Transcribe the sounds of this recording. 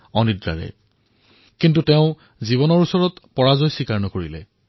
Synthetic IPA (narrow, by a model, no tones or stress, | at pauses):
ɔnidɹa̰ɹɛ̰ | kintuteʊ̃ | zibɔnɔɹusɔɹɔtpɔɹazɔjsikaɹnɔkoɹilɛ̰